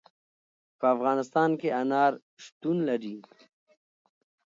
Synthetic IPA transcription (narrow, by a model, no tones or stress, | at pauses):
pəafɣɑːnɪst̪ɑːnkeʔanɑːɾ | ʂt̪unlaɾi